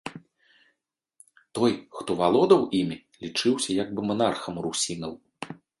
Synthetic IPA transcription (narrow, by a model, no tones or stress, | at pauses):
t̪ɔjxt̪ɔvalˠɔd̪ɐwʔimʲi | lʲit͡ʂɨwsʲɐjaɡ̚bɨmanarxɐmrusʲinɐw